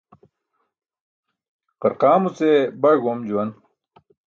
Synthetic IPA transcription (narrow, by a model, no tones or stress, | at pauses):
qɐɾqaːmut͡sebɐɡomd͡ʑuwɐn